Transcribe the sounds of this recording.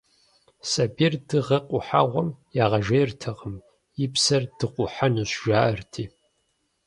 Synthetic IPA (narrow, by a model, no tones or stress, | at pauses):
sɐbirdɨʁɐqʷʼʊħa̰ʁʷɔmjaːʁɐʒejrtʰɐʁəm | jɪpsɐrd̥ɨqʷʼʊħanuɕʒaːʔɐrtʰiː